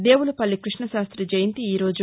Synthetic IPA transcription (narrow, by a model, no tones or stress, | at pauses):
d̪e̞ːwulupɐlːikɾiʂɳɐʃaːst̪ɾid͡ʒɐjint̪iiːɾo̞ːd͡ʒu